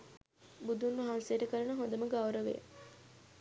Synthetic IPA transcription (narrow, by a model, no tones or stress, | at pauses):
bud̪unːuɦãnsejːʈəkəɾɐnəɦond̪əməɡɐwɾəʋḛj̰